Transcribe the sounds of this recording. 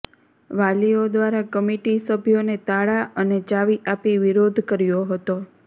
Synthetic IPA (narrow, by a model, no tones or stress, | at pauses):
ʋaliod̪ʋaɾakəmiʈisəbʱjonet̪aɭaʔəned͡ʒaʋiʔapiʋiɾod̪ʱkəɾjoɦət̪o